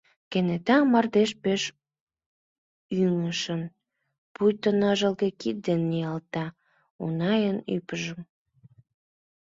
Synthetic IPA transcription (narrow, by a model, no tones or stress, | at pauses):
kenet̪ɑmɑrd̪eʃpeʃ | yŋəʃən | pujt̪ənɑʒəlɣekit̪̚d̪enːijɑlt̪ɑ | ṵnɑjəny̰pəʒəm